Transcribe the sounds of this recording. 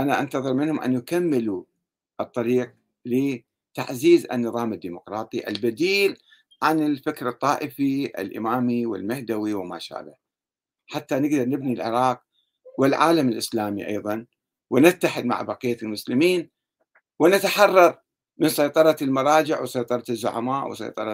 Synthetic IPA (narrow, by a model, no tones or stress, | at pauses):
ʔanaʔant̪ɑðˤɨɾˤmɪnhʊmʔa̰njakamːɪlu | ʔɨt̪ˤːɑɾiːq̚ | lɪ | t̪aʕziːza̰nːɨðˤɑːmad̪ːiːmʊqɾˤɑːt̪ˤiʔa̰lbad̪iːl | ʕanɪlfɪkɾɨt̪ˤːɑːʔɪfiʔɪ̰lʔɪ̰maːmiwɪ̰lmahd̪awiwɪma̰ːʃa̰ːla̰ | ħat̪ːanɪɡd̪ɑɾˤnɪbnilʕɪ̰ɾˤɑːq̚ | wɪlʕaːlamɪlʔɪslaːmḭʔɑ̰jðˤɑn | wɪnɪt̪ːaħɪd̪̚ma̰ʕbɑqijːalmʊslɪmiːn | wɪnat̪aħɑrˤːɑɾˤ | mɪnsˤɑjt̪ˤɑɾˤɑlmɑɾˤɑːd͡ʒɪʕwsɑjt̪ˤɑɾˤɑzːʊ̰ʕa̰maːʔwɪ̰sɑ̰jt̪ˤɑɾˤɑ